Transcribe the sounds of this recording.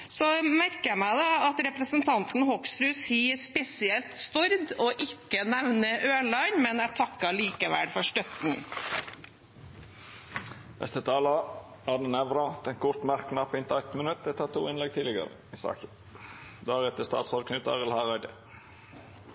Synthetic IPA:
sɔmæɾkəæmæɪd̪ɑɑt̪ɾɛpɾəsənt̪ʰɑnt̪n̩hɔksɾʉːsiːəspɛsɪɛlt̪st̪ɔɾd̪ɔʔɪkːənɛʋnəʔøːɭɑɪnmɛnæʈʰɑkːɑliːkəʋæ̰lfɔʂʈ̪œt̪n̩ | nʔɛ̰st̪ət̪ʰɑːlɑ | æd̪ɛnɛʋɾɑt̪ɛnkʰʊɾt̪mæɾknɑpɪnt̪ʰɑɪt̪nmənʉt̪̚d̪ɛt̪ʰɑt̪ʰṵːɪnlɛɡ̚t̪ʰiːlɪɡə̰ɾə̰ɪsɑ̰ːkə | d̪ɑːɾɛt̪əst̪ɑ̰ːt̪sɔd̪kʰnʏt̪ɑ̰ʁəlhɑʁɑɪd̪ə

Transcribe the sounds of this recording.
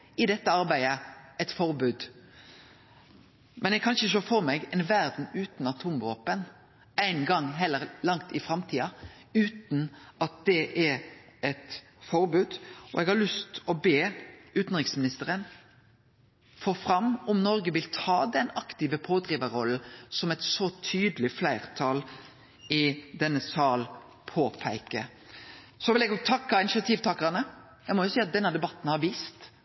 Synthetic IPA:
ɪd̪ɛt̪ːəɑɾbæɪəɛt̪fɔɾbʉːd̪ | mʔɛnɛɡkʰɑnɪçəʃoːfɔɾmɛɡɛnʋæɾd̪n̩ʉːt̪n̩ɑt̪ʰuːmʋoːpən | æɪnɡɑŋɦɛlːəɾlɑŋt̪ɪfɾɑmt̪ʰiːɑ | ʉːt̪n̩ɑt̪̚d̪̥ɛʔɛɾɛt̪ | fɔɾbʉːd̪ɔ̰ɛɡhɑlʉst̪ɔbeːʉːt̪n̩ʁɪksmɪnɪst̪əɾən | fɔfɾɑmːɔmnɔɾɡəʋɪlt̪ʰɑːd̪ɛnɑkt̪ɪːʋəpʰoːd̪ɾiːʋəɾɔlsɔmɛt̪sɔt̪ʰyːd̪əlɪflæɪʁt̪ʰɑːl | ɪd̪ɛnːəsɑːl | pʰoːpʰæɪkə̰ | sɔʋɪlɛɡoɡ̚t̪ʰɑkːɑɪnɪʃɑt̪ʰiːʋt̪ʰɑːkəɾɑnə | jæɪmɔjʊsiːɑt̪̚d̪ɛnəd̪ɛbɑt̪ːn̩hɑɾʋiːst̪

